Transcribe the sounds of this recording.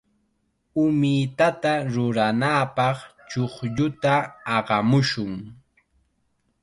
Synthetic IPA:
ʊmɪt̪at̪aɾʊɾanaːpɑχt͡ʃoχʎʊt̪aːɢɑmʊʃʊŋ

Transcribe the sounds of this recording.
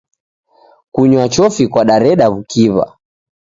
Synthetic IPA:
kuɲwat͡ʃɔfikwaɗaɾɛɗaβukiβa̰

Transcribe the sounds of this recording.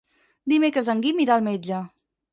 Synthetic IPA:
d̪imekɾəzaŋɡimiɾalˠmed͡ʒə

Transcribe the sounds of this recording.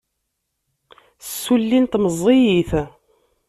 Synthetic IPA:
sːulːint̪məzˤejiθ

